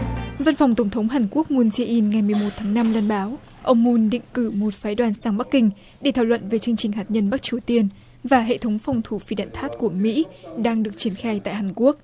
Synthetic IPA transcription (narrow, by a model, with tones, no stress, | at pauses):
və˧nfɔ˨˩wŋ͡mt̪ə˧˩wŋ͡mt̪ʰə˨˦wŋ͡mɦaː˨˩nku˦˥ək̚mu˧nze˧ʔi˧nŋa˨˩jmɨ˨˩əjmo˨˩t̚t̪ʰaː˨˦ŋna˧mlaː˧nɓaː˨˦w | ʔə˧wŋ͡mmu˧nɗḭ˧˨ŋ̟kɨ˧˩mo˨˩t̚faː˨˦jɗwaː˨˩nsaː˧ŋɓa˦˥kːï˧ŋ̟ | ɗe˧˩t̪ʰaː˧˩wlwə̰˧˨nve˨˩t͡ɕɨ˧əŋt͡ɕï˨˩ŋ̟ɦaː˨˩t̚ɲə˧nɓa˦˥k̚t͡ɕi˨˩əwt̪i˧ən | vaː˨˩ɦḛ˧˨t̪ʰə˨˦wŋ͡mfɔ˨˩wŋ͡mt̪ʰu˧˩fi˧˩ɗa̰ː˧˨nt̪ʰaː˦˥t̚ku˧˩əmḭ˧˥ɗaː˧ŋɗɨ˨˩ək̚t͡ɕi˧˩ənxaː˧jt̪a̰ː˧˨jɦaː˨˩nku˦˥ək̚